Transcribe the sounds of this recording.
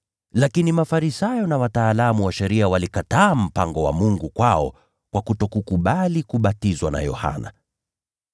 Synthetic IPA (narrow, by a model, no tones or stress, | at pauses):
lakinimafaɾisajɔnawataːlamuwaʃɛɾiawalikataːm̩paŋɡɔwa̰muŋɡukwaɔ̰ | kwakutɔkukuɓalikuɓatizwana̰jɔ̰ha̰na̰